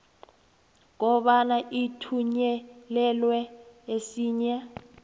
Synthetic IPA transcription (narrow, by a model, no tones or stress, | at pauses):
ŋɔɓanaʔitʰuɲɛlɛlwɛesiːɲa